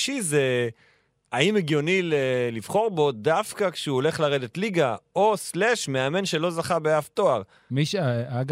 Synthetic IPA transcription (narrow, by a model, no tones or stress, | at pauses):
ʃize | aimeɡjo̞nilelivχo̞ʁbo̞dafkakʃeuole̞χlaʁe̞d̪e̞tliɡao̞sleʃmeame̞nʃe̞lo̞zaχabeafto̞aʁ | miʃaɡ